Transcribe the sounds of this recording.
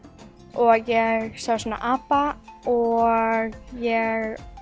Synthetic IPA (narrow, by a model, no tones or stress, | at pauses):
ʔɔɣjɛɾsawsɔna̰ʔapaɔɣjɛɾ